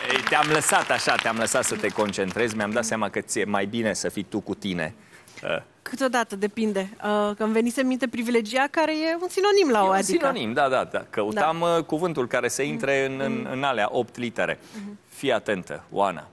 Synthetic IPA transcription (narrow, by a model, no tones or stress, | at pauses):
əjt̪eamləsat̪aʃat̪eamləsat̪sət̪e̞ko̞nt͡ʃe̞nt̪ɾe̞zmeamd̪at̪seamakət̪ije̞majbine̞səfit̪ukut̪ine̞̰ | ə̰ | kʰɨt̪od̪at̪əd̪e̞pind̪e̞əkmve̞nit̪sənmint̪epɾivile̞d͡ʒiakaɾe̞je̞unsino̞nimlaoad̪siik̪nonimd̪ad̪ad̪a̰kəut̪amkuvɨnt̪ulkaɾe̞səint̪ɾe̞ɨnɨnɨ̰nalea̰ʔo̞pt̪lit̪eɾe̞̰ | fijat̪e̞nt̪ə̰o̰a̰na̰